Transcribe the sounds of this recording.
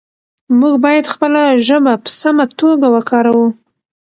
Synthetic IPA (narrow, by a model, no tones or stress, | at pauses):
muɡbɑjad̪xpəlaʒəbapə̥samat̪oɡawəkʰɑɾawu